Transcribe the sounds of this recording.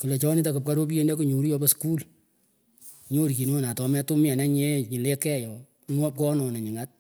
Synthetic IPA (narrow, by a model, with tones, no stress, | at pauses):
kɨ˨le˨t͡ʃɔ˦ni˦ta˨ku˨p̚ka˦ɾo˦p̬i˦je˦nde˦ku˨ɲu˨ɾu˦jɔ˦pɔ˦sku˦l | ɲo˦ɾki˨no˦na˨tɔ˨m˦a˦tu˦mjɛ˨nɛ˦ɲe˦ɲi˨le˦kɛ˦˨jɔ˨ | ŋwɔ˦p̚kɔ˦nɔ˨nɛ˨ɲi˨ŋa˦t̚